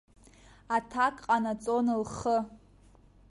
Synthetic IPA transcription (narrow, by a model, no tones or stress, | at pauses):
atʰakʼqʼanat͡sʼonɨlχə